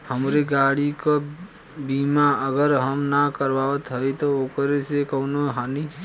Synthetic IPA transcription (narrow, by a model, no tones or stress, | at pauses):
həmɾeɡaɽikɔ | bimaəɡəɾɦəmnakəɾbaət̪ɦəjt̪ɔokɾesekəʊnoɦani